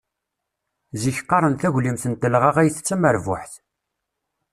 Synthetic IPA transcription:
ziçqːɑɾˤənθæʝlimθənt̪əlʁɑʁæjθət͡sːæməɾvʊ̰ħθ

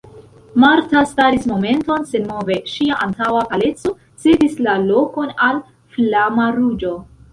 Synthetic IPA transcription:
maɾtastaɾismo̞me̞nto̞nsenmo̞ve̞ʃiaʔantawakale̞t͡so̞ | sedislalo̞ko̞nal | flamaɾud͡ʒo̞

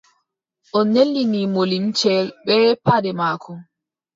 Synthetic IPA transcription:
ʔɔnːelːinimolimt͡ʃɛlɓɛːpadɛmaːkʰɔ

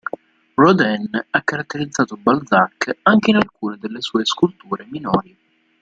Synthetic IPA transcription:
rɔd̪ɛnakːaɾat̪ːeɾid̪zːaːt̪obald̪zakːaŋk̟einalkuːned̪elːesɔːeskult̪uːɾeminɔːɾi

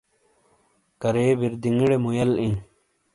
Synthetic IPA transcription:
kɐɾeːbiɾd̪iŋiɽemujɐlĩː

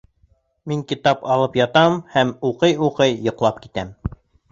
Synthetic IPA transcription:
miŋkit̪ɑpɑlˠɤpjɑt̪ɑmhæmuqɤjuqɤjːŏqlˠɑp̚kit̪æm

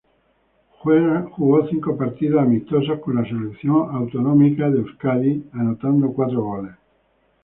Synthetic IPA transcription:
xweɾxuɣɔθiŋkopaɾt̪iðaːmist̪os̬akonlaselet̪sːjoŋawt̪onɔmikad̪eskalianot̪and̪okwat̪ɾoɣɔles

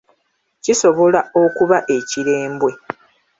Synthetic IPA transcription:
ciso̞βo̞lao̞kuβaʔe̞ciɾe̞ːmbwe̞

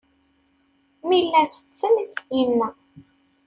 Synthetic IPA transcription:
milːæθə̥t͡sːənjənːæ

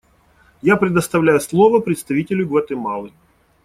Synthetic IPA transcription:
japɾʲɪd̪əst̪ɐvlʲæjʊslˠovəpɾʲɪt̪st̪ɐvʲitʲɪlʲʊɡvɐt̪ɨmɑlˠɨ

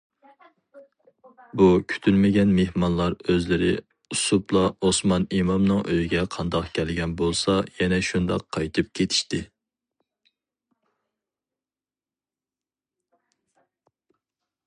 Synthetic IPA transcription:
bukʲʰy̥t̪ʰylmɪɡʲɛnmehmɑnlˠɑɾøzlɪɾɪ̰ | usuplˠɑosmɑnimɑmnɨŋʔøjiɡʲɛqʰɑnd̪ɑqkʲʰɛlɡʲɛnbolˠsɑjɛnɛʃund̪ɑ̰qʰːɑjt̪ʰɨp̚kʲʰet̪ʰi̥ʃt̪ɪ

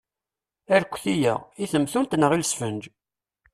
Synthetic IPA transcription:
æɾkʷːθijə̰ʁiθəmθunt̪nəʁilsfənd͡ʒ

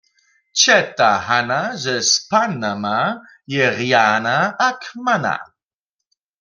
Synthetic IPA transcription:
t͡ʃɛt̪ahanazɛspanama | jɛʁjanaːkmana̰

